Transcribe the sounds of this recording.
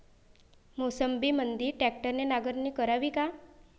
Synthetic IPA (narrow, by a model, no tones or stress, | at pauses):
mosəmbiːmənd̪iːɾʈɛk̚ʈəɾnenaɡəɾniːkəɾaʋiːka